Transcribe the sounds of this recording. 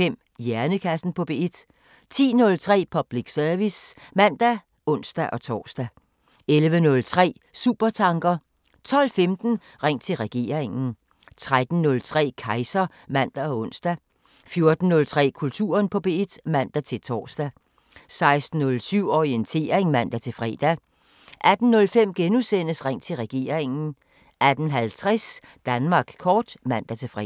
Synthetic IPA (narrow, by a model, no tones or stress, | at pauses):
fem̰ | jæɐnəkʰæsn̩pʰɒ̽b̥eed̥ | t͡sʰḭːnɔ̽lt͡sʰʁɛ̰ːpʰɒ̽b̥liɡ̥sœɐʋismæn̰d̥æ | ɔ̽n̰sd̥æʔɒ̽t͡sʰɒ̰ːsd̥æ | elʋənɔ̽lt͡sʰʁɛ̰ː | sṵːb̥ɐt͡sʰɑ̈ŋɡ̥ɐ | t͡sʰɒ̽l̰femd̥n̩ | ʁeŋ̰t͡sʰe̝lʁɛɡ̥e̝̰ːɐeŋn̩ | t͡sʰʁad̥n̩ːɔ̽lt͡sʰʁɛ̰ːkʰɑ̈ɪsɐ | mæn̰d̥æɒ̽ɔ̽n̰sd̥æ | fjo̝ɐd̥n̩ːɔ̽lt͡sʰʁɛ̰ːkʰult͡sʰṵːɐnpʰɒ̽b̥e̝d̥mæn̰d̥æt͡sʰe̝lt͡sʰɒːsd̥æ | sɑ̈ɪsd̥n̩ːɔ̽lsyʊ̰ɒient͡sʰe̝̰ːɐʁeŋmæn̰d̥æt͡sʰe̝fʁɛ̰ːd̥æ | ʔæd̥n̩ːɔ̽lfem̰ɡ̥enusen̰əsʁeŋ̰t͡sʰe̝lʁɛɡ̥e̝̰ːɐ̰eŋn̩ | ʔæd̥n̩ɦælt͡sʰʁɛs | d̥ænmɑ̈ːɡ̥kʰɒːd̥mæn̰d̥æt͡sʰe̝fʁɛ̰